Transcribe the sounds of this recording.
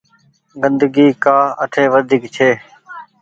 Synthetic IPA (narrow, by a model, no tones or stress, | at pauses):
ɡənd̪əɡiːkaːəʈʰeːʋəd̪ʱiːkt͡ʃʰeː